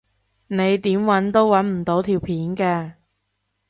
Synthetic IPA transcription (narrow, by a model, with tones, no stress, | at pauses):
ne˨˧jt̪iː˨˥mwɐ˨˥nt̪o˥wwɐ˨˥nm̩˨˩t̪o˨˥wt̪ʰiː˨˩wpʰiː˨˥nkɛː˧